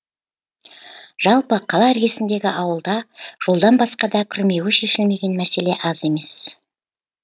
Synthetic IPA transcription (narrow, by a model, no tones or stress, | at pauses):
ʒ̥ɑlˠpəqʰɑlˠɑæɾɡʲe̞sɪnd̪e̞ɡʲɪʔɑwəlˠd̪ɑʒ̥o̞lˠd̪ɑnbɑsqɑd̪ɑkʲʰʏɾme̞wɪʃe̞ʃɪlme̞ɡʲe̞nmæse̞le̞ʔɑze̞me̞s